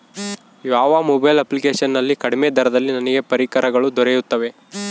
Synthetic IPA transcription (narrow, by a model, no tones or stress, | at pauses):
ʋaːʋaːmubɐjlɐplikeːʃɐnːɐlːikɐɽimed̪ʱɐɾɐd̪ɐlːinɐniɡe̞pɐɾikɐɾɐɡɐɭud̪ɔɾejut̪ːɐʋe̞